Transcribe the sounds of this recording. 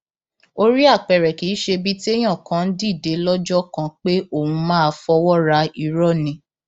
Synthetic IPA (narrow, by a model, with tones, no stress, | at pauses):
o˧ɾi˦a˦˨k͡pɛ˨ɾɛ˨ki˨˦ʃe˧bi˦ti˦e˦j̃ã˦˨kã˨˦n̩˦di˦˨de˨˦lɔ˦d͡ʒɔ˦kã˧k͡pe˦o˦˨wũ˧mãː˦a˧fɔ˧wɔ˦ɾa˧i˨˧ɾɔ˦˨nĩ˨˦